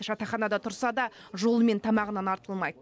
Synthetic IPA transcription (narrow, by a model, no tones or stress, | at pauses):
ʒ̥ɑt̪ɑχɑnɑd̪ɑt̪ʰʊɾsɑd̪ɑʒo̞lˠme̞nt̪ʰɑmɑʁənɑnɑɾt̪əlˠmɑjd̪ə